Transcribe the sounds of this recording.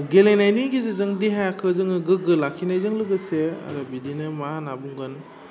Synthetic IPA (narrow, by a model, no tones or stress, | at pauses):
ɡelenajniɡizɯzɯŋdiɦajakʰɯzɯŋɯɡɯɡɯlakʰːinajzɯŋlɯɡɯsea̰ɾɯbidinɯmanabuŋɡɯn